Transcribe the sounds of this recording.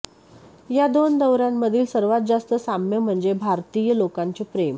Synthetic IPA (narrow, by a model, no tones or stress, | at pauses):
jad̪ond̪əʋɾamːəd̪ʱiːlsəɾʋat̪̚d͡zast̪əsamjəm̤əɳd͡zebʱaɾt̪ijəlokaɲt͡ɕepɾem